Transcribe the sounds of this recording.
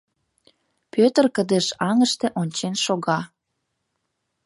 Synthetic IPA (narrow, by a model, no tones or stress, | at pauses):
pøt̪ərkəd̪eʃɑŋəʃt̪ĕʔonʲt͡ɕenʃoɣɑ